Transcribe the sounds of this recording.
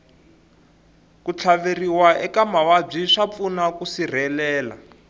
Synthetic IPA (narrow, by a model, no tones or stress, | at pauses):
kut͡ɬʰaveriwaʔɛkamawab͡ʐiʂap̪funakusir̤ɛlɛːla̰